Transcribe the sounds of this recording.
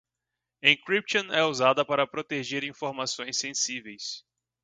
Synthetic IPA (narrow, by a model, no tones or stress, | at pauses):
ẽkɾip̚t͡ʃõnɛuzad̪ɐpaɾɐpɾot̪eʒeɾĩfoɾmasõj̃sẽsivejs